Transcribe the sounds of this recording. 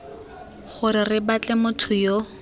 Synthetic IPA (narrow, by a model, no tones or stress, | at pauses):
χʊɾɪrɪbat͡ɬʼɛmʊtʰʊjo